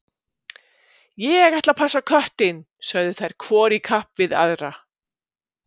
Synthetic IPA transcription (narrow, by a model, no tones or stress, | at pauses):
jɛɛɣaht̪lapʰasakʰœht̪ɪn | sœɣðɪθajɾ̥kʰvɔːɾikʰahpvɪða̰ðɾa